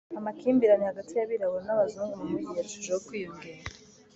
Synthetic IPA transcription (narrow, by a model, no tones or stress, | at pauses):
amakiːmbiɾanihaɡatijaβiɾaβoɾnaβazuːŋɡumumuɟijat͡ʃuʒowokwiːjuŋɡiɾa